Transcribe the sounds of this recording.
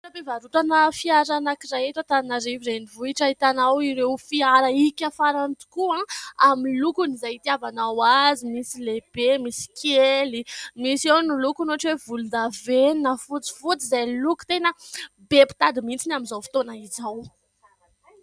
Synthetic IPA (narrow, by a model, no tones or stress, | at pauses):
ɾabevaɾuʈ͡ʂanəfiaɾanakiɾajet̪ot̪annaɾiviɾenivuiʈ͡ʂaɦit̪anawiɾewfiaɾəikʲafaɾant̪u̥kuãamilukunizajit̪iavanawazimisileb̥emisi̥kʰelimisewnilukunoaʈ͡ʂiwevulud̪aveninəfut͡si̥fut͡sizajluku̥t̪enə | bepi̥t̪ad̪imint͡sinaminzawfi̥t̪onaizaw